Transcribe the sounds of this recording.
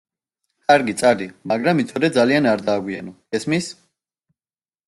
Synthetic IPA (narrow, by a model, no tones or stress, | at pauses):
kʰʼaɾɡit̪sʼaɾd̪imaɡɾamit̪sʰɔd̪ɛd̪zalianaɾd̪aːɡwia̰nɔɡ̥ɛsmis